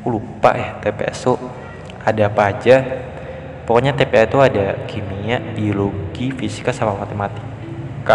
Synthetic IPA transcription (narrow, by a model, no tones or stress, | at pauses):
ulupa̰ʔjaht̪epḛʔɛ̰su | adapad͡ʒa | pɔkɔɲat̪epeɛst̪uadakʰimiaʔbioloɡifisi̥kasamamat̪emat̪ɪ̥kː | a